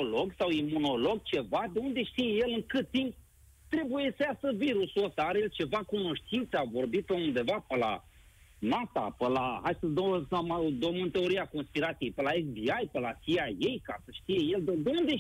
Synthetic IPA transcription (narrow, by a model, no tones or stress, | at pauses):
olo̞ɡsawimuno̞lo̞ɡ̚t͡ʃe̞vad̪e̞und̪e̞ʃt̪ijeje̞lɨŋkɨt̪t̪ːimp̚ | t̪ɾe̞bujesəjasəviɾusosaaɾejelt͡ʃe̞vakuno̞ʃt̪int̪savo̞rbit̪əund̪e̞vapəla̰ | nat̪a̰pəlaɦajsəd̪əwsamad̪omɨnt̪e̞o̞ɾiako̞nspiɾat̪sijejpəlaeksbiajpəlasiaje̞jkasəʃt̪ije̞je̞ld̪ed̪eund̪e